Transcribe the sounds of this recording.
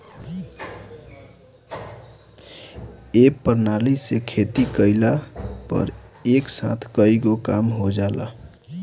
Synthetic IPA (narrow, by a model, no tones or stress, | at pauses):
ekpəɾnalisekʰet̪ikəɪlapə̰ɾeksa̰t̪ʰkəiɡokamɦod͡ʒala̰